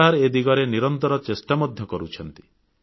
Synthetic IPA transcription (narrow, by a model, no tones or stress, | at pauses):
aɾed̪iɡɔɾeniɾɔnt̪ɔɾɔt͡ʃesʈamɔd̪ʱjɔkɔɾut͡ʃʰɔnt̪i̥